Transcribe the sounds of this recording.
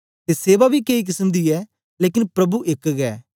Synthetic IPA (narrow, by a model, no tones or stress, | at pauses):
t̪eːseːʋaːbʱiːkeik̬ɪsəmd̪iːɛː | leːkɪnpɾɐbuʔɪkɡɛː